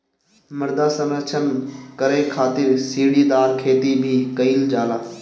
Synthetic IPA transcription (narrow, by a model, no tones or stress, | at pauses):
mɐɾd̪aːsə̃lət͡ʃʰənkɐɾekʰaːt̪ɪɾsiːɽid̪aːɾkʰeːt̪ibʱikɐiːld͡ʒaːlaː